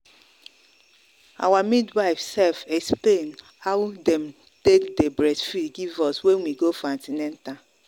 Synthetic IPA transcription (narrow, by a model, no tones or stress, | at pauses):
a̰wamidwaɪfsɛlfɛksplen | haʊdɛm | tekdebɾɛsfidɡivɔswenwiɡofãntinɛnta